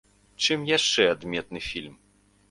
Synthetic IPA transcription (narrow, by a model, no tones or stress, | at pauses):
t͡ʂɨmjaʂt͡ʂɛad̪mʲɛt̪̚nɨfʲilʲm